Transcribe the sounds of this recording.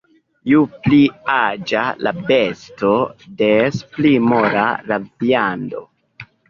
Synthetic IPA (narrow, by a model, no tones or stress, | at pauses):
jupliad͡ʒalabe̞sto̞desplimoɾalaviando̞̰